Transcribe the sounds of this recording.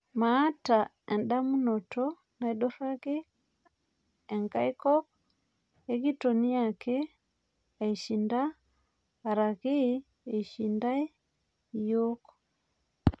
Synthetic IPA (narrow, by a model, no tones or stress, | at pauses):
maːta | ɛndamunotɔ | naiɗofaɡi | ɛŋɡaikɔk̚ | eɡitoniakɛ | aiʃindaː | ɾaɣi | eiʃindai | ijoko̥